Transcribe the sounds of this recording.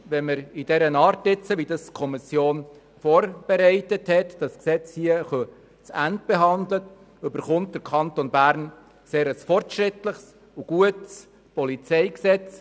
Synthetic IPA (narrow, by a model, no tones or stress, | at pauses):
ʋɛnməɾid̥ɛɾənɑːɾtɪt͡səʋidɑskʰɔmɪsjoːn | fɔːɾb̥eɾɛɪtəthɛtd̥ɑsksɛt͡shiəχœ | t͡sænt̚b̥eɦɑnd̪lət | ʏbəɾχʊnt̚d̥əɾkʰɑntonbæɾn | seːɾəsfɔrtʃɾɪtləχs | uɡ̥uəts | pɔlit͡sɛɪksɛt͡s